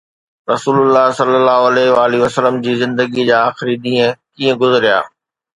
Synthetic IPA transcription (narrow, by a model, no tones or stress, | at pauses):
ɾɐsuːlʊlːaɦsɐlːəlːaːɦoɐlɛːɦɪʋaːliʋɐsələmd͡ʑiːzɪ̃nd̪əɡid͡ʑaːaːxɪɾiɗ̪ĩːə̃kiːə̃ɡʊzəɾija̰ː